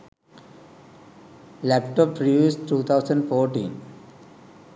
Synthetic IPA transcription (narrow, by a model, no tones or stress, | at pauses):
læpʈɔːpːɾɔɖuːsʈuːt̪ʰaʊsə̃ɳɖfɔːɾʈḭ̃ːn